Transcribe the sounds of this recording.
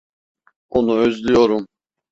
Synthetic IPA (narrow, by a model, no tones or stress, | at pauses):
onuøzlʲyjoɾum